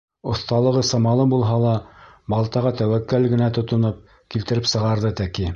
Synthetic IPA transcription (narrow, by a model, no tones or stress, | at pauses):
ŏθt̪ɑlˠɤ̆ʁɤsɑmɑlˠɤbulˠɦɑlˠɑbɑlˠt̪ɑʁɑt̪æwækːælɡɘ̆næt̪ŏt̪ŏnop̚ | kilt̪ɘ̆ɾɘpsɤ̆ʁɑɾðɤt̪æki